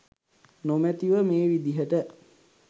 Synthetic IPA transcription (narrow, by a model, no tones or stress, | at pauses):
nomæt̪iʋəmeːʋid̪iɦəʈə